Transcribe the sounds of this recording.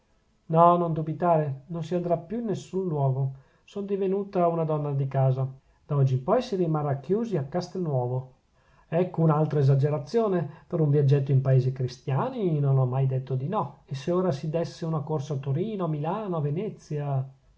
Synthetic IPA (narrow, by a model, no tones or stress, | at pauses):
nɔnond̪ubit̪aːɾenonsiand̪ɾapːjuinːesːunlwɔːɡo | sond̪ivenuːt̪aunad̪ɔnːad̪ikaːza | d̪̥aɔd͡ʒːimpɔjsirimarːakːjuːziakːast̪enːwɔːvo | ɛkːounalt̪ɾaezad͡ʒeɾat̪sːjoːnepeɾuɱvjad͡ʒːɛt̪̬ːoimpaeːzikɾist̪jaːninonɔmːajd̪et̪ːod̪inɔesːeoːɾasid̪ɛsːeunakorsaːt̪ːoɾiːnoamilaːnoavenɛt̪sːja